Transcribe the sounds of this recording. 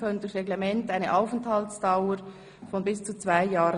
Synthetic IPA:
kœndʊsʁɛɡlemɛntaɪnəʔaʊfənthaltsd̥aʊə | fɔnbɪst͡sut͡sv̥aɪjaːʁə

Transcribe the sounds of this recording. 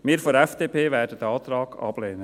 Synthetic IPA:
mɪːɾfoɾɛfd̥eːpʰeːvæːɾdədɛɑːt̪rɑːɡ̥ɑ̰b̥leːnə

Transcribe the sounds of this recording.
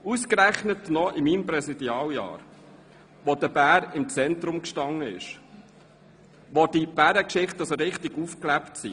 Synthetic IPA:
uskɾæχnətnɔʔɪmiːmprɛsid̥iɑːljɑ̰ːɾ | ʋodəbæːɾɪmt͡sɛnt̪ɾʊmkʃtɑŋːəɪ̰ʃ | ʋod̥ib̥æɾəkʃɪχtəsoɾɪχtɪɡufklæptsḭ

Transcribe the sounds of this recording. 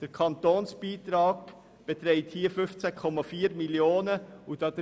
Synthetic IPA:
d̥əɾkʰɑntoːnsb̥iːt̪ɾɑːɡ | b̥ɛtɾɛɪthiːəfʏft͡sɛkʰɔmɑfiːɾmiljoːnəud̥ɑːdə

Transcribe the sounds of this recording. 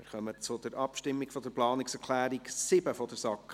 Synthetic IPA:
mɪ̰ɾχœmət͡sʊd̥̪əɾʔɑpʃtɪmːiɡfɔd̥əɾplɑːnɪksɛɾkʰlæːɾiksɪbəfɔd̥əɾsɑk

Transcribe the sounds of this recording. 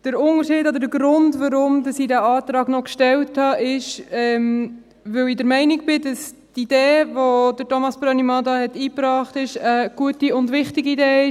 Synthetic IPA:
d̥əɾʊnəɾʃiːdod̪əɾdəɡɾʊndʋɑɾʊmdɑsiːdæɑːtɾɑːɡnɔkʃtɛlthɑʔɪʃɛm | ʋɵwiːdəɾmɛɪnɪk̚b̥ɪd̥ɑs | tideːvodətomɑsb̥ɾɑnimɑdɑhɛtiːpɾɑːχtɪʃəɡ̥uətiʊndʋɪχtɪɡiideːɪ

